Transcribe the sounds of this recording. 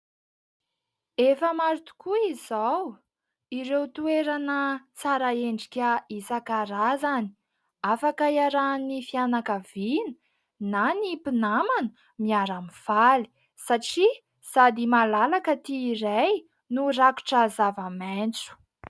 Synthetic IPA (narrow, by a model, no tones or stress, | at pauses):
efəmaɾit̪u̥kuizaw | iɾewt̪ueɾanət͡saɾaeɳɖ͡ʐikʲəisakaɾazani̥ | afakaiaɾanifianakavinə̥ | nanipinamanu | miaɾamifali̥ | saʈ͡ʂi | z̥ad̪imalalakət̪iːɾaj | nuraku̥ʈ͡ʂəzavament͡su̥